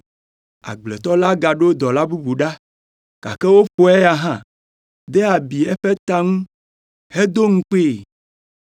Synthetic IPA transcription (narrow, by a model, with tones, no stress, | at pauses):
a̰˨ɡ͡blɛ˨t̪ɔ˦la˦ɡa˨ɖe˦o˦d̪ɔ˨la˦bu˦bu˨ɖa˦ | ka̰˨kɛ˦wo˦ɸo˦ɛ˦a˨ɦã˦˨ | d̪e˦a˨bi˨ɛ˦ɸe˦t̪a˦ŋũ˦ | he˦d̪o˦ŋ̩̃˦k͡pe˦˨